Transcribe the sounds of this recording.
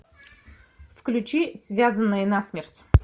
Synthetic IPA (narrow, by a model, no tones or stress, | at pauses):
fklʲʉt͡ɕisvʲazənːəjənasmʲertʲ